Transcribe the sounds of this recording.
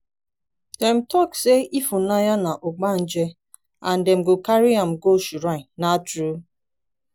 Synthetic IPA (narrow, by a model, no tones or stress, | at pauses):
dɛm̩tɔkseʔifunajanaʔoɡ͡ban̩d͡ʒe | an̩dɛm̩ɡokaɾiam̩ɡoʃuɾaɪ̃natɾu